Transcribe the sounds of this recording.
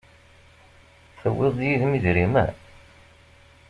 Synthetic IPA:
θəwːɪðˤjiðmiðɾimæ̰

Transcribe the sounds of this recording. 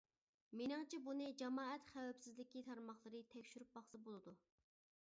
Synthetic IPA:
menɨŋt͡ʃʰɛbunɨd͡ʒɑmɑːɛt̪χæwɛpsɪzlɪkʲit̪ʰɑɾmɑχlˠɨɾɨt̪ʰɛkʲʃyɾyp̚bɑχsɨbolˠɨd̪u

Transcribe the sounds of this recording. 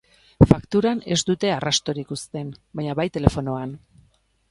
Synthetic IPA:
fakt̪uɾane̞zd̪ut̪e̞arast̪o̞ɾikust̪e̞nbaɲaβajt̪e̞le̞fo̞no̞an

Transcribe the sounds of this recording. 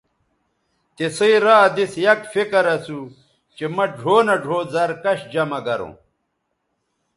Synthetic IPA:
t̪esɐiɾaːd̪isjɐkfikɐɾɐsu | t͡ɕemɐɖʱoːnɐɖʱoːzɐɾkɐɕd͡ʑɐmɐɡɐɾõ̰ː

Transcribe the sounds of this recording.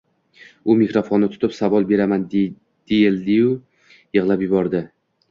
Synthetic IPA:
ʊmikɾofonːɪt̪ʰʊ̥t̪ʰɪpsavɒlˠbe̞ɾaman | d̪̥ejɪld̪ɪjʊ | jɨʁlˠapjɪbɒɾd̪ɪ

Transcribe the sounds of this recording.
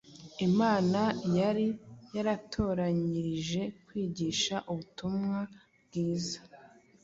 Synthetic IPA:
imaːnajaɾijaɾatʰo̞ːɾaɲiɾiʒe̞kwiːɟiːʃaʔuβutumŋa | b̚ɡiːzḁ

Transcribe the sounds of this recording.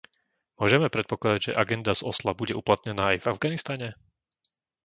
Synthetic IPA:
mʊɔʒɛmɛpɾɛt̪̚pɔklad̪aɟʒɛ̰ʔaɡɛnd̪azɔslabuɟɛuplat̪ɲɛnaːajvavɡanist̪aɲɛ

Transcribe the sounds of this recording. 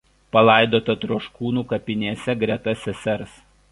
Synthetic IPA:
pɐlˠɑɪd̪oːt̪ɐt̪ɾuɔʃkuːnuːkɐpʲɪnʲiɛsʲɛɡɾʲɛt̪ɐsʲɛsʲɛɾs

